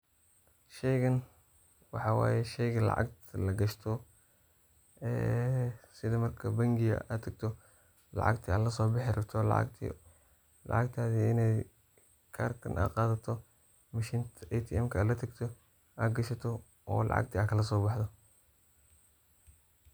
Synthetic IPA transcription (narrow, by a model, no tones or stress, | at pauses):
ʃɛjɣɐn | wɑ̰ħɑːwa̰ːjɛʃɛjɣɐlɑ̰ʕɑ̰ɡ̚t̪ʰlɐɡɐʃt̪ʰɔ | ɛːsɪðɐmɐrkʰɐbɐŋɡɪjɐ̰ʔa̰ːt̪ʰɐɡ̚t̪ʰɔ | lɑ̰ʕɑ̰ɡt̪ʰiaːlɐsɔːbɑħɪɾɐt̪ʰɔl̰t̪ʰ | lɑ̰ʕɑɡt̪ʰaːðiɪnɛj | kʰaːrkʰɐnʔa̰ːqɑːðɐt̪ʰɔ | mɐʃiːnt̪ʰɐʔɛt̪ʰiɛmkʰɐaːlɐt̪ʰɐɡt̪ʰɔ | ʔaːɡɐʃɐt̪ʰɔ | ɔ̰ːlɑ̰ʕɑ̰ɡ̚t̪ʰiaːkʰɐlɐsɔːbɑħd̪ɔ